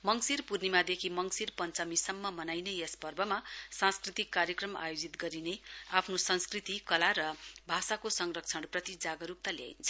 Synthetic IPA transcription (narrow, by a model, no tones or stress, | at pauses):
mʌŋsirpurnimad̪ekʰimʌŋsirpʌnt͡sʌmisʌmːʌmʌnajneespʌrbʌmasãnskrit̪ikːaɾjʌkrʌma̰jod͡zit̪ɡʌɾineapʰnosʌnskrit̪ikʌlaɾʌbʱasakosʌŋrʌk̚t͡sʰʌɽprʌt̪id͡zaɡʌɾuk̚t̪alja̰j̰nt͡sʰʌ̥